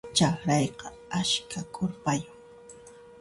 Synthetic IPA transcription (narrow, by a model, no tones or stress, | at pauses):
t͡ʃɑxɾɑjqɑ | aʃkʰakʼʊɾpajʊŋ